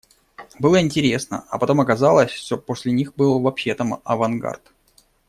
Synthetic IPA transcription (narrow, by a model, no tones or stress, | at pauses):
bɨlˠəɪnʲtʲɪɾʲe̞snə̰ɐ̰pɐt̪o̞mɐkɐzalˠəsʲsʲopo̞sʲlʲɪnʲixbɨlˠvɐpɕet̪əmɐ̰vɐnɡa̰rt̪